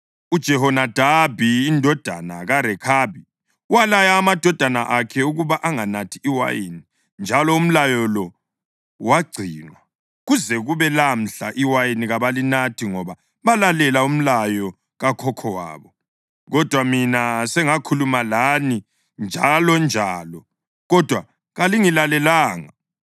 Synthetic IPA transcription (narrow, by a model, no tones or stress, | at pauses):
ud̥ʒ̥ʱɛɦɔnad̥ʱabʱiːndʱɔd̥ʱana̰ɣaɾɛkʰabʱi | walajaːmad̥ʱɔd̥ʱanaʔakʰɛuɣuβaʔaŋanatʰiiwa̰jḭni | nd͡ʒʱalɔum̩lajɔlɔ | waɡ͡ǀʱiːnwa | ɣuzɛɣuβɛlam̩ɬaʔiwajiniɣaβalinatʰiŋɔβa | βalalɛlaum̩lajɔ | ɣakʰɔkʰɔwa̰ːβɔ | ɣɔd̥ʱwaminasɛŋakʰulumalani | nd͡ʒʱalɔnd͡ʒʱaːlɔ | ɣɔd̥ʱwa | ɣaliŋilalɛlaːŋa̰